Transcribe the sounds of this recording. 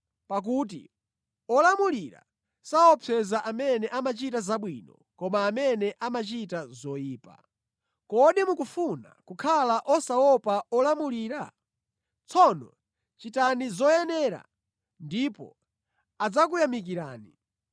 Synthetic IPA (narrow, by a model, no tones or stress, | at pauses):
pak̬uːt̬ḭ | ɔlamuliɾa̰ | saɔpʰɛzaʔamɛnɛʔamat͡ʃitazaɓwinɔ | kɔmaːmɛnɛʔamat͡ʃitazɔjiːpa̰ | kɔɗimukufuna̰kukʰalaʔɔsaɔpaɔlamuliːɾa | t͡sʰɔnɔ̰ | t͡ʃitanizɔjɛnɛɾa̰ | ndipɔ̰ | ad͡zak̬ujamik̬iɾaːni